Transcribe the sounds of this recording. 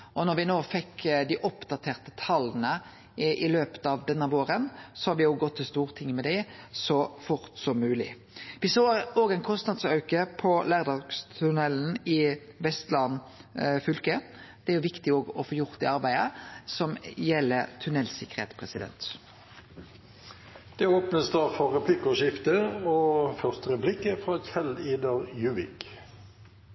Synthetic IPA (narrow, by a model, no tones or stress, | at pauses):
ʔɔnɔʁʋɪnoːfɛkːd̪ɪʔɔpd̪ɑt̪ʰeːʁt̪ə̥t̪ʰɑlənə | ʔɪløːpə̥t̪ɑʋd̪ɛnːəʋoːɾənsɔhɑɾʋɪjoːɡɔt̪ʰːɪlst̪uːʁt̪ʰɪŋːmɛd̪æsɔfʊʁt̪sɔmːʉːlɪ | ʋɪsoːoːɡɛɪnkʰɔst̪nɑd̪sœʉkəpʰɔlæːʁd̪ɑːɡ̥st̪ʰʉnɛlːənɪʋɛst̪lɑnfʏlkəd̪̥ɛæɾjʊʋɪkt̪ɪoːɡɔfoːjʊʁt̪ɪɑʁbæɪəsɔmjɛlːət̪ʰʉnɛlsɪkːəʁhḛːt̪spʰʁɛsɪd̪ɛ̰nt̪ | d̪̥ɛoːpnəsd̪ɑːfɔʁɛpʰlɪkɔʃɪft̪əofœʁst̪əɾɛplɪkːəfʁɑːçɛliːd̪əɾjʉːʋɪ̰k